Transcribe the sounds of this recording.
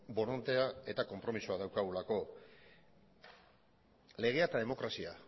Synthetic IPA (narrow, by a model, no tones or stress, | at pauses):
bo̞no̞nt̪e̞ae̞t̪ako̞mpɾo̞misuaðawkaɣulako̞ | le̞ɣ̞e̞at̪aðe̞mo̞kɾasia